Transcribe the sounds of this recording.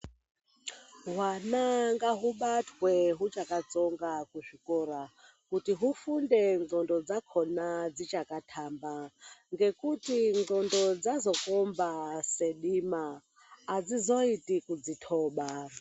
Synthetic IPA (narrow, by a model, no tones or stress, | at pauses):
ɦwanaŋɡaɦuɓatʰwɛɦut͡ʃʼakat͡sɔŋɡakuʐʷikʼɔɾa | kutiɦufundɛŋ͡ǃɔndɔd͡zakʰɔnad͡zit͡ʃʼakatʰambaŋɡekʼutiŋŋ͡ǃɔndɔd͡zazɔkʼɔmbaseɗimaː | d͡zizɔitʼikud͡zitʰɔːɓa